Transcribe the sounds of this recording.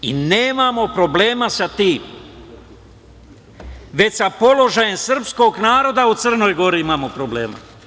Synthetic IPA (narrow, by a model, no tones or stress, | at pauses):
ḭneːmamo̞pɾo̞ble̞ːmasat̪iːm | ʋe̞t͡ɕsapo̞lo̞ʒajemsɨr̩psko̞ːɡnaːɾo̞d̪aut̪sɨr̩no̞jɡo̞ɾiimaːmo̞pɾo̞blḛːma̰